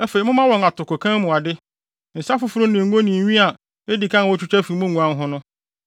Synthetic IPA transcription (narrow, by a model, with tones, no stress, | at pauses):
æ˦fe˨i˨mʊ̃˦mã˦wɔ̃˨ŋa˨tʰʊ˨ko˨kʰã˦mũ˨a˨dɪ˦˨ | n̩˨sa˦fʊ˦fʊ˦ɾʊ̃˦nɪ̃˨ɡõ˦nĩ˨ɥĩ˦a˨ | e˦di˨kʰã˦n˨wɔ˦t͡ɕʰᶣu˦t͡ɕʰᶣa˦fi˨mʊ̃˦ŋũ˨ã˦ɦʊ̃˦nʊ̃˦